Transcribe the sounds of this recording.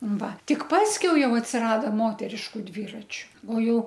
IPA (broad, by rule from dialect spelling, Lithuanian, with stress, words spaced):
ˈʋɐ ˈtʲɪk ˈpɑːsʲkʲɛʊ ˈjɛʊ ɐtʲsʲɪˈrɑːdoː ˈmoːtʲɛrʲɪʃkʊ dʲʋʲiːrɐt͡ʃʲʊ oː ˈjɛʊ